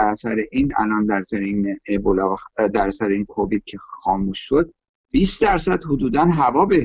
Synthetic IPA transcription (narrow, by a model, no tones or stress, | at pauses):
æɾæsæɾeʔiːnæ̰lɒːnd̪æɾsæɾeinebolɒːd̪æɾæsæɾeiːnkʰovid̪̚cʰe̞xɒːmuːʃːod̪̚ | b̥isd̪æɾsæd̪hod̪uːd̪ænɦævɒːbe